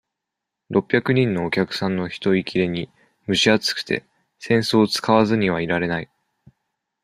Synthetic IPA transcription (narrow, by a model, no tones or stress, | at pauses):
ɾo̞pʲːjakɯ̟ɲ̟ĩnːo̞ːkʲakɯ̟̥sãnːo̞çi̥t̪o̞ikʲiɾe̞ɲ̟i | mɯ̟ɕiat͡sɨ̥kɯ̟̥t̪e̞̰ | sẽ̞ɰ̃so̞ːt͡sɨ̥kaβazɨɲ̟iβ̞aiɾaɾe̞nai